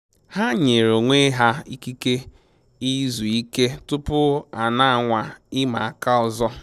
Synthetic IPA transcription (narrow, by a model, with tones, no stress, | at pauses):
ha˦ɲe˨ɾo˨ŋʷe˦ɦa˦i˦ki˦ke˦ | i˦zu˨i˦ke˦tʊ˦pʊ˦a˨na˦a˨ŋʷa˨ɪ˦ma˨a˨ka˦ɔ˨zɔ˦